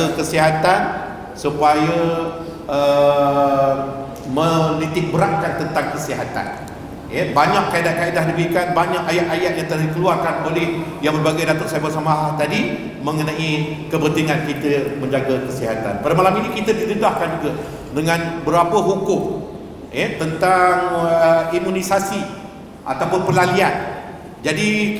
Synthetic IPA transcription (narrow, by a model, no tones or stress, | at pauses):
əkəsiɦat̪an | supajə | ʔə | məlit̪ɪh̚bəɾaŋkant̪ənt̪aŋkəsiɦat̪a̰n | jəbaɲãʔkaidat̚kaidahdibəɾikanbaɲaʔajat̪̚ajat̪̚jaŋt̪əlahdikəluarkanolɛhjaŋbərbaɡajdat̪ʊʔ̚sabasamaɦaht̪adi | mə̃ŋənãi | kəbənt̪iŋankit̪əmə̃ɲd͡ʒaɡəkəsiɦat̪a̰npadamalaminĩkit̪ədidədahkand͡ʒuɡa | dəŋãnbəɾapəɦukʊm | jɛt̪ənt̪aŋimũnisasi | ʔa̰t̪apʊnpəlalian | d͡ʒadi